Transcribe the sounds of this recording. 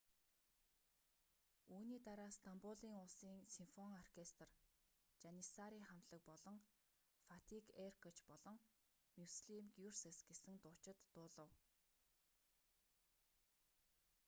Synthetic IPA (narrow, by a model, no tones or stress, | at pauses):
uːniːt̪aɾaːst̪ʰampʊɮiːŋʊɮsiːŋsinfɔŋɔr̥kʰest̪r | t͡ɕanʲisaɾiːχam̥t̪ɮə̆k̚pɔɮɞ̆ŋ | fat̪ʰikʰerkʰɔt͡ɕpɔɮɞ̆ŋ | mʲuwsɮimɡjursĕsɡ̥esɘ̆ŋt̪ʊːt͡ɕɪ̆t̪ːʊːɮə̆w